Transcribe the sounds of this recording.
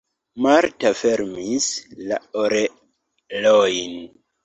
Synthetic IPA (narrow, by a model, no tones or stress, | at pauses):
maɾtafeɾmislaoɾe | lojn